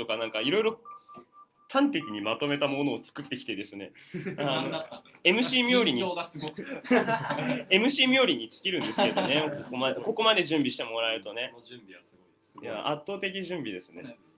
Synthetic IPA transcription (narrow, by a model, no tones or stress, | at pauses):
t̪o̞kanãŋkaiɾo̞jɾo̞ | t̪ʰãnt̪e̞kʲiɲ̟imat̪o̞me̞t̪amo̞no̞ːt͡sɨ̥kɯt̪ːe̞kʲi̥t̪ed̪e̞sɨne̞̰ano | e̞mɯ̟ɕiːmʲjo̞ːɾʲiɲi | e̞mɯ̟ɕiːmʲjo̞ːɾʲiɲ̟it͡sɨ̥kʲiɾɯ̟nd̪e̞sɨɨke̞d̪o̞ne̞kokomad̪eko̞ko̞mad̪e̞ʑɨ̃mbʲiɕi̥t̪emo̞ɾaeɾɯ̟t̪o̞ne̞ | jaʔa̰t̪ːoːt̪e̞kʲiʑɨ̃mbʲid̪e̞sɨne̞